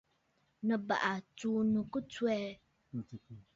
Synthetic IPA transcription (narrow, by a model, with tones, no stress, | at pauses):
nə̃˨ba̰˨ʔa˨tu˦nũ˨ku˦t͡su˦ɛ˦˨